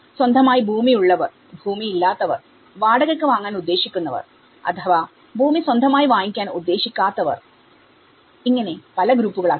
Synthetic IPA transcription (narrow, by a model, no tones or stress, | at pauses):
swɐnd̪ʱɐmaːjibʱuːmijuɭːɐʋɐr | bʱuːmijilːaːt̪ːɐʋɐ̰r | ʋaːɽɐɣɐɭkːɨʋaːŋːaːnud̪ːe̞ːɕikʲːunːɐʋɐ̰r | ɐ̰t̪ʰɐʋaː | bʱuːmiswɐnd̪ʱɐmaːjiʋaːŋikʲːaːnud̪ːe̞ːɕikʲːaːt̪ːɐʋɐ̰r | iŋːɐne̞pɐlɐɡɾuːpːuɣɐɭa